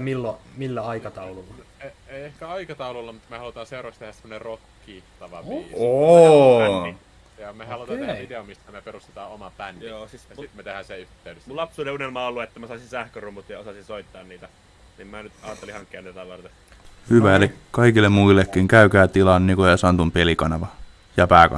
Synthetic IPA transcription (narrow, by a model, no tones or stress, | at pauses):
milːomilːæɑikɑt̪ɑulolːɑ | eiehkæɑikɑt̪ɑulolːɑmut̪mehɑlut̪ɑːseurɑkst̪ehæssemːonerokːiːt̪ɑʋɑʋːoæi | jɑmehɑlot̪ɑeit̪eomist̪æmeperust̪e̥t̪ɑːomɑpænːijɑsit̪met̪ehænsieyht̪eydesmulɑpsuːneunelmɑːolːuet̪ːæmæsɑˑisinsæhkørumut̪jɑosɑsinsoit̪ːɑːnniːt̪æ | nimmænyt̪ɑːt̪ːelihɑŋkːiɑnet̪ːt̪ɑlːɑlt̪e | hyʋælikɑikilːemmuilːekːiŋkæykæːt̪ilɑnnikojɑsɑnt̪umpelikɑnɑʋɑ | jɑpæːkɑ̰